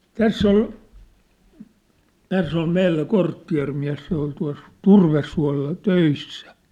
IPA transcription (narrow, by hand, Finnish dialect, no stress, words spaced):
tæsː ol tæsː ol meilːæ kortːiɑ̝rmiæ̝s se ol tuɑ̝s turʋesːuɑ̝lːɑ tøisːæ